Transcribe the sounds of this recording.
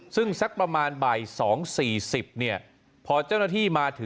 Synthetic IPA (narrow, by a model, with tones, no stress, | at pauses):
sɯ˥˩ŋsa˦˥k̚pɾa˧maː˧nbaː˨˩jsɔː˩˦ŋsiː˨˩si˨˩p̚ni˥˩ɐ | pʰɔː˧t͡ɕaː˥˩wna˥˩t̪ʰiː˥˩maː˧t̪ʰɯ˩˦